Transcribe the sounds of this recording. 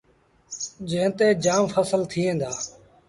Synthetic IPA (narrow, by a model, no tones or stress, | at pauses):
d͡ʒẽːt̪eːd͡ʒaːmfəsəlt̪ʰiːɦẽːnd̪aː